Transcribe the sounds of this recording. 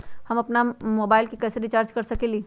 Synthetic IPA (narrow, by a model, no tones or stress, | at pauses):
hɐmɐpnamoːbaːɪlkikɛːseɾit͡ʃaːɾd͡ʒkɐɾsɐkeːliː